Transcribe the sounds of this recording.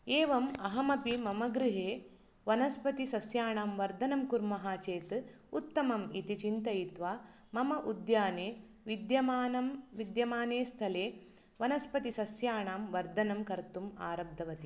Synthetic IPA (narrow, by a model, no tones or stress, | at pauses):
eːʋɐmɐɦɐmɐpimɐmɐɡɾɪɦeː | ʋɐnɐspɐt̪isɐsjaːɳaːmʋɐɾd̪ʱɐnɐmkuɾmɐɦaːt͡ʃeːt̪ | ut̪ːɐmɐmit̪it͡ʃint̪ɐjit̪ʋaː | mɐmɐʔud̪jaːneː | ʋid̪jɐmaːnɐmʋid̪jɐmaːneːst̪ʰɐleː | ʋɐnɐspɐt̪isɐsjaːɳaːmʋɐɾd̪ʱɐnɐmkɐɾt̪uma̰ːɾɐb̚d̪ʱɐʋɐt̪i